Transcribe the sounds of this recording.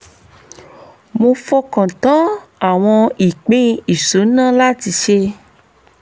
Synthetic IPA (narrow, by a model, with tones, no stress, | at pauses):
mo˧fɔ˧kã˨tã˨˦a˨w̃ɔ̃˧i˨k͡pẽ˦i˨so˨˦nã˦la˦ti˧ʃe˧